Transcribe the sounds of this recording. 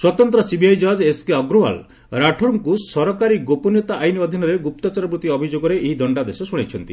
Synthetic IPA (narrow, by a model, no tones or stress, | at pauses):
swɔt̪ɔnt̪ɾɔsibʱiajd͡ʒɔɦd͡ʒeskeɔɡɾowa̰l | ɾaʈʰɔɾmkusɔɾɔkaɾiɡopɔnjɔt̪aʔajniɔd̪ʱinɔɾeɡup̚t̪ɔt͡ʃaɾɔpɾut̪iɔbʱid͡ʒoɡɔɾeʔeɦid̪ʱɔɳɖad̪esɔsuɽ̃et͡ʃʰɔnt̪i